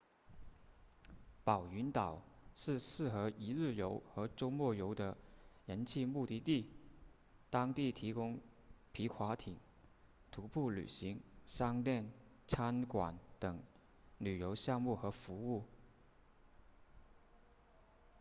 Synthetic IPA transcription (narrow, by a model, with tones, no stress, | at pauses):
pɑ˨˩ʊy˧˥nt̪ɑ˨˩ʊʂɻ̩˥˧sɹ̩˥˩xɤ˧˥i˧˥ɻɻ̩˥˩jo˧˥ʊxɤ˧˥ʈ͡ʂo˥ʊmwɔ˥˩jo˧˥ʊd̪ə˧ɻə˧˥nt͡ɕʰi˥˧mu˥˧t̪i˥˧t̪i˥˩ | t̪ɑ˥ŋt̪i˥˩t̪ʰi˧˥kʊ˥ŋ | pʰi˧˥kʰwa˧˥t̪ʰi˨˩˦ŋ | t̪ʰu˧˥pʰu˥˩ly̰˨˩ɕi˧˥ŋʂɑ˥ŋt̪jɛ˥˩n | t͡sʰa˥nkwa̰˨˩˦nt̪ɤ˨˩ŋ | ly˨˩jo˧˥ʊɕjɑ˥˧ŋmu˥˩xɤ˧˥fu˧˥u˥˩